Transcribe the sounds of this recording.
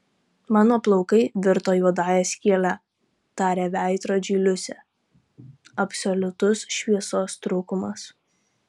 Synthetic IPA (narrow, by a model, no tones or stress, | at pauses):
mɑːnoːplˠɔʊkɐɪʋʲɪɾt̪oːjuɔd̪ɑːjɛːsʲkʲiɛlʲæ | t̪ɑːɾʲeːʋʲæˑɪt̪ɾoːd͡ʒʲiːlʲʊsʲɛ | ɐpsʲɔlʲʊt̪ʊsʃʲʋʲiɛsoːst̪ɾuːkʊmɐs